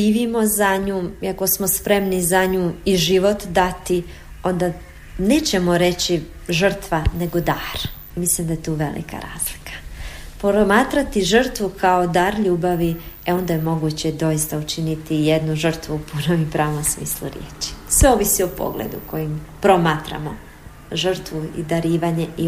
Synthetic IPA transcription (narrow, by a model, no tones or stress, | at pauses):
iːʋimo̞zaɲuːiako̞smo̞spɾe̞mnizaɲuːiʒiʋo̞t̪d̪at̪i | o̞nd̪a | ne̞ːt͡ɕe̞mo̞ɾe̞t͡ɕi | ʒər̩t̪ʋane̞ɡo̞d̪aːɾ | mislimd̪ajet̪uːʋḛlḭkʰa̰ɾa̰ːzli̥kʰḁpoɾomaːt̪ɾat̪iʒər̩t̪ʋukʰao̞d̪aːɾʎuːbaʋieo̞nd̪ajemo̞ɡut͡ɕed̪o̞ist̪aut͡ʃinit̪ijed̪nuʒər̩t̪ʋupʰunomipɾaːʋo̞msmḭːslˠṵɾjḛːt͡ʃi̥sʋeo̞ːʋisiopo̞̰ɡlḛd̪ṵko̞jimpɾomaːt̪ɾa̰mo | ʒərɾt̪ʋuḭd̪aɾiːʋaɲe̞ʔi